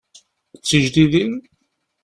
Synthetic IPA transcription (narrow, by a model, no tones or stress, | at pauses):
t͡sːəʒd̪iðin